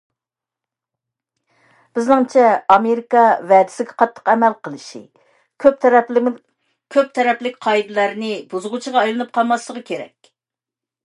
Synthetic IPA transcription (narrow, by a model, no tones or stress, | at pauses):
b̥ɪznɨŋt͡ʃʰɛɑmeɾikɑvɛd̪ɪ̥sɪɡʲɛqʰɑt̪ʰːə̥qɛmælqʰəlˠɨʃḭ | kʲʰøp̪̚ | kʲʰøp̚t̪ʰɛɾɛplɪkʲqʰɑjd̪ɨlˠæɾnɪbuzɨʁut͡ʃʰəʁɑɑjlˠɨnɨp̚qʰɑlˠmɑslˠəʁəkʲʰeɾɛ̰kʲ